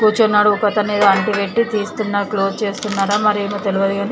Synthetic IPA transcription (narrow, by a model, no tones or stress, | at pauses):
puːt͡ʃɐnːaːɽuːkɐt̪ɐmiːd̪ɐɐɳʈiʋeʈːit̪iːst̪unːakloːst͡ʃe̞ːst̪unːaːɾaːmɐɾiemɐt̪eluʋɐd̪iɡind̪i